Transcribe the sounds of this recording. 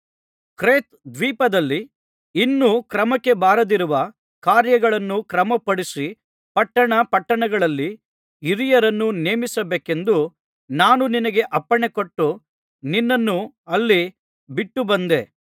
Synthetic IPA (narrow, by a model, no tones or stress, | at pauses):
kɾeːt̪̚d̪ʋiːpɐd̪ɐlːiː | nːukɾɐmɐkːe̞baːɾɐd̪iɾuʋɐ | kaːɾjɐɡɐɭɐnːukɾɐmɐpɐɽisi | pɐʈːɐɳɐpɐʈːɐɳɐɡɐɭɐlːiː | ɾijɐɾɐnːuneːmisɐbeːke̞nd̪u | naːnuninɐɡe̞ʔɐpːɐɳe̞koʈːu | ninːɐnːu | ɐlːi | biʈːubɐnd̪ḛ